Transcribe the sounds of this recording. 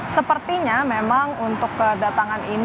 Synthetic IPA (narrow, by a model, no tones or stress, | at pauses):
səpərt̪iɲamemaŋunt̪ʊkːədat̪aŋanin